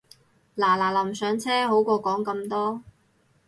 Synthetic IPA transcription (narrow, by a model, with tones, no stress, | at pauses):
laː˨˩laː˨˩lɐ˨˩msœː˨˧˥ŋt͡sʰɛː˥ɦo˨˥wkɔː˧kɔː˨˥ŋkɐ˧mt̪ɔː˥